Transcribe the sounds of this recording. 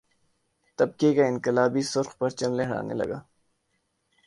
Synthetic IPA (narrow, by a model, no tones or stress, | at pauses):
t̪ɐb̚kekaɪ̃nkɪlaːbisʊɾxpɐɾt͡ʃɐmleɦɐɽa̰ːnḛlɐ̰ɡa̰ː